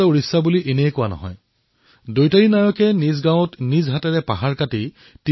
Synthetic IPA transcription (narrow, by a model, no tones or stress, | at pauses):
ɔuɹisːabuliʔenejkʊwanɔ̰ɦɔ̰j | dojtaɹinaɹɔkɛnizɡãw̃ɔtnizɦatɛɹɛpaɦaɹkati | ti